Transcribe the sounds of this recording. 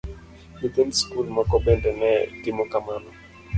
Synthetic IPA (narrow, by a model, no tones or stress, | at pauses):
mitɛnskulmɔkɔbɛndɛnɛɡɪmɔkamanɔ